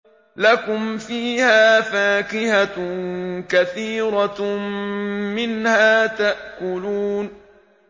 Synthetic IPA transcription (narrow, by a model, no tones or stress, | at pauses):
lakʊmfiːhaːfaːkɪha | kaθiːɾɑ | mɪnhaːt̪aʔkʊluːn